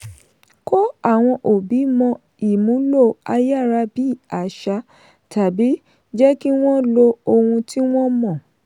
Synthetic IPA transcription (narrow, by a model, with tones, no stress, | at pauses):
ko˦a˦˨w̃ɔ̃˧ʔo˨bi˨˦mɔ̃˧ | i˨mũ˨˦lo˦˨a˧ja˦˨ɾa˧bi˦˨a˨ʃa˧˦ | ta˨bi˨˦ | d͡ʒɛ˦ki˦w̃ɔ̃˦lo˧o˧hũ˧ti˦w̃ɔ̃˦mɔ̃˦˨